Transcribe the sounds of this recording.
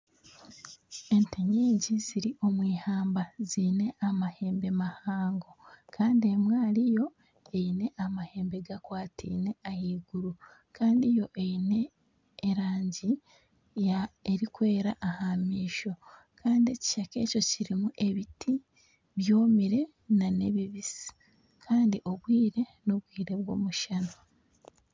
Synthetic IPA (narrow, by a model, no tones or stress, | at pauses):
e̞nteɲeːɟiziɾiʔo̞mwiːhaːmbazine̞ʔamahe̞ːmbe̞mahaːŋɡo̞kʰaːndie̞mwaːlijo̞ | e̞jine̞ʔamahe̞ːmbe̞ɡakwaːtḭːne̞ahiːɡuɾu | kʰaːndijo̞ʔejine̞ː | ɾaːɲɟi | jaeɾikwe̞ːɾaʔahamiːʃo̞ | kʰaːndie̞ci̥ʃake̞ːco̞ciɾimuʔe̞βitʰi | βjoːmiɾe̞ | nane̞βiβisi̥ | kʰaːndiʔo̞βwiːɾe̞noβwiːɾe̞βwo̞̰ːmuʃano